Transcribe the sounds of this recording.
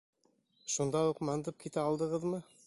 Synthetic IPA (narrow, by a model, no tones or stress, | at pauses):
ʃund̪ɑuqmɑnd̪ɤp̚kit̪æɑlˠd̪ɤ̆ʁɤðmɤ